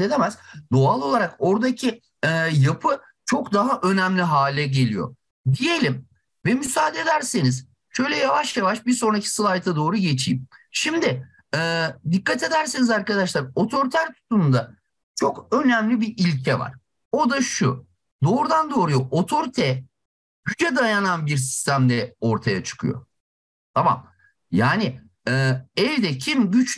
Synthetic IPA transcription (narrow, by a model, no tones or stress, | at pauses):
ed̪ʰemæzd̪oalˠo̞lˠaɾako̞ɾd̪acʰi | ɛːjapʰɯ | t͡ʃʰo̞kd̪aɦaʔø̞nɛmlʲiɦaːlʲɛɟe̞lʲḭjo̞̰ | d̪ije̞lʲim | vɛmysaːd̪ed̪æɾseniz̥ | ʃø̞jlʲɛjavaʃjavaʃbiɾso̞nɾacʰi̥sɯlˠajt̪ʰad̪o̞ːɾuɟe̞t͡ʃʰḭːmʃimd̪ɪ | ɛːd̪ikːat̪ʰe̞d̪æɾsinizaɾkad̪aʃlˠaɾo̞t̪ʰo̞ɾit̪ʰæɾt̪ʰu̥t̪ʰunnd̪a | t͡ʃʰo̞kø̞næmlʲibiʔilʲcʰɛva̰ɾ̥ | o̞d̪aʃu | d̪o̞ːɾud̪and̪o̞ːɾujo̞ʔot̪ʰo̞ɾit̪ʰɛ | hyd͡ʒɛd̪ajananbiɾsi̥st̪ʰæmd̪ɛo̞ɾt̪ʰajat͡ʃʰɯ̥kʰɯ̰jo̞̰ | t̪ʰama̰m | jaːnɪː | ɛvd̪ɛcʰimɟyt͡ʃ